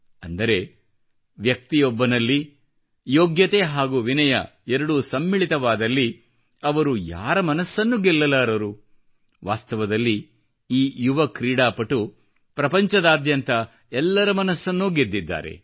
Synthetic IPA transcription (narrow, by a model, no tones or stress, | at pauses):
ɐnd̪ɐɾe̞ | ʋjɐk̚t̪ijɔbːɐnɐlːi | joːɡjɐt̪eɦaːɡuʋinɐjɐ̰ɛɾɐɽusɐmːiɭit̪ɐʋaːd̪ɐlːi | ɐʋɐɾuja̰ːɾɐmɐnɐsːɐnːuɡɛlːɐlaːɾɐɾu | ʋaːst̪ɐʋɐd̪ɐlːi | iːjuʋɐkɾiːɽaːpɐʈːu | pɾɐpɐɲt͡ʃɐd̪aːd̪jɐnt̪ɐ | ɛlːɐɾɐmɐnɐsːɐnːuɡed̪ːid̪ːa̰ːɾe̞̰